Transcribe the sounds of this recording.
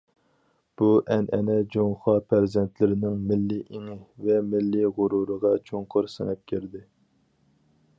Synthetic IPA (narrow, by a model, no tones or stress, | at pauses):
b̥uʔɛnʔɛnɛd͡ʒoŋχɑpʰæɾzɛnt̪lɪɾɪnɪŋmɪlːiʔeŋɪvɛmɪlːiʁʊɾuɾəʁɑt͡ʃʰoŋqʰʊɾsɨ̰nɛp̚kʲʰeɾd̪ɪ